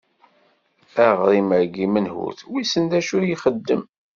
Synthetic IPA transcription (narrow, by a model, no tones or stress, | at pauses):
æʁɾˤiməɾɡimənhṵɾθwisənd̪æʃʊɾjiχəd̪ːəm